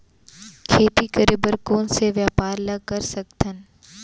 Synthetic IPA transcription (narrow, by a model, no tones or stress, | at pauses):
kʰeːt̪ikəɾebəɾkoːnseʋjaːpaːɾlɐɡ̚kɐɾsɐk̚t̪ən